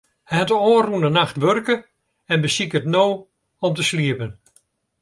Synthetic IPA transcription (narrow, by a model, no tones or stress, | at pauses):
hɛtəoːrunənaxtʋørkə | ɛnbəsikətnoː | ɔmtəsliəpən